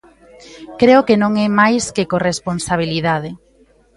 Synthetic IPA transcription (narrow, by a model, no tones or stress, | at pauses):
kɾeokenõŋɛmajskekoresponsaβ̞iliðaðɪ